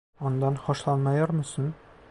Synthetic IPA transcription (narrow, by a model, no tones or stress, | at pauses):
ɒnd̪ɑnχɒʃlˠɑnmɑjɒɾmɤ̆sɤn